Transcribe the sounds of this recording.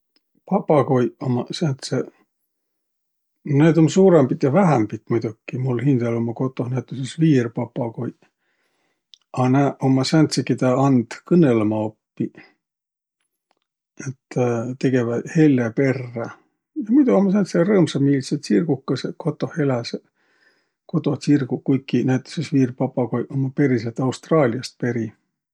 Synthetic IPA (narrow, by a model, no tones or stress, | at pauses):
pɑpˑːɑko̞jomɑsænt̪se | neːd̪o̞msuːɾembit̪jɑvæɦæmbit̪ːmujd̪̥ukːimulhind̪̥ɑlo̞mːɑko̞t̪ːˑo̞hnæt̪ːˑusesviːrpɑpːˑɑko̞j | ɑnæʔomːɑsænt̪sekit̪ɑɑnd̪̥kɤnːelɑmɑopːi | et̪ːt̪e̞ɡ̥e̞vɑhe̞lːepe̞rːɑ | jɑmit̪uomːɑs̬ænt̪serɤːmsɑmiliset̪sirɡukːɑseko̞t̪ːˑo̞he̞læse | ko̞t̪o̞sirɡ̥ukujkːinæjt̪ːo̥sesviːrpɑpːˑɑkojʔomːɑpe̞ɾis̬et̪ɑwst̪rɑːliɑst̪̚pe̞ɾi